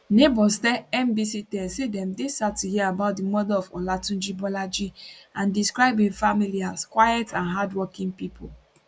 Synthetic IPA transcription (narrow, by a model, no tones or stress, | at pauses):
nebɔsdɛɛ̃mbisitɛ̃sedɛ̃mdesatuhiəabaʊt̚dimɔdɛlɔfɔlatũnd͡ʒibɔlad͡ʒiãndiskɹaɪbĩŋfamiliaskwajɛtãnɦadwɔkĩŋpipʰo̰l